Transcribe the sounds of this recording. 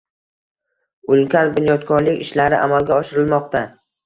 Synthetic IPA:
ʊlˠkʲanbʊnjɒt̪kʰɒɾlɪkʲɪ̰ʃlaɾɪʔa̰malɡʲaɒʃɪɾɪlmɒqt̪ʰa

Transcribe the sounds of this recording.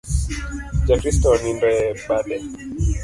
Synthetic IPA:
d͡ʒakɾistɔnindɛɓalɛ

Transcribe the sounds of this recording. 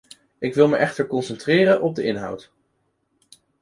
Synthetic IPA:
ɪkʋɪlˠməʔɛχtəɹkɔnsɛntrɪːrənʔɔb̚dəɪnɦʌ̰wt

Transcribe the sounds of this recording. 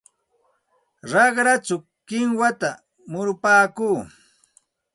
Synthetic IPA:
ɾɑχɾat͡ʃʊ | kɪŋwat̪a | mʊɾʊpaːkuː

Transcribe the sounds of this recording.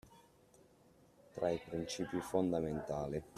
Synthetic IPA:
t̪ɾaipɾint͡ʃiːpifond̪ament̪aːlip

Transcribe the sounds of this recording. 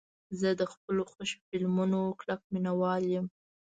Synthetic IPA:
zəd̪əxpəloxoʃo̥fɪlmunoklak̚minawɑljəm

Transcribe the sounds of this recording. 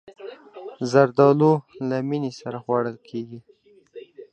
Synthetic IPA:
zaɾd̪ɑlolaminisaɾaxwaɽəlkʰeɡi

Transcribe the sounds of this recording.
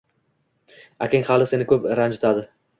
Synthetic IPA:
akʲɪŋʲhalɪse̞nɪkʰɵpɾand͡ʒet̪ʰad̪ɪ

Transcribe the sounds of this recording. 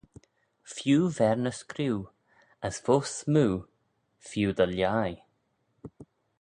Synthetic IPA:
fjuːvɛɹnəskɾiw | əsvoːsmuː | fjuːd̪əljaj

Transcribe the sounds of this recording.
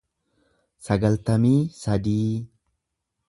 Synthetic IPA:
sɐɡɐlt̪ɐmiːsɐd̪iː

